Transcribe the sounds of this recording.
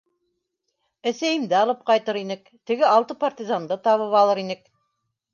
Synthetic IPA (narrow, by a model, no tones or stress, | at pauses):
æsæjɘ̆md̪ɘɑlˠɤp̚qɑjt̪ɤɾinɘk | t̪ɘ̆ɡɘɑlˠt̪ɤpart̪ʲizand̪ɤt̪ɑβɤβɑlˠɤɾinɘk̚